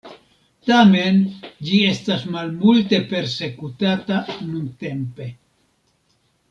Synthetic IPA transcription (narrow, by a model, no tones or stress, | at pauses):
tame̞nd͡ʒiestasmalmulte̞pe̞ɾse̞kutatanuŋte̞mpe̞